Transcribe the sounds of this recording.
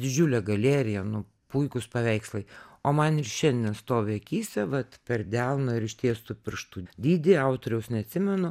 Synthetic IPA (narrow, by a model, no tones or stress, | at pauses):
d̪ʲɪd͡ʒʲuːlʲɛɡɐlʲeːɾʲɪjɛnʊ | puɪkʊspɐʋʲɛɪkslˠɐɪoːmɐnɪrʃʲɛnʲd̪ʲɛnst̪oːʋʲɛɐkʲiːsʲtʲɛʋɐt̪pʲɛrd̪ʲælˠnoɪɾɪʃʲt̪ʲiɛst̪ʊpʲɪrʃt̪uːd̪ʲiːd̪ʲɪɑʊt̪oːɾʲɛʊsnʲɛɐt̪ʲsʲɪmʲɛnʊ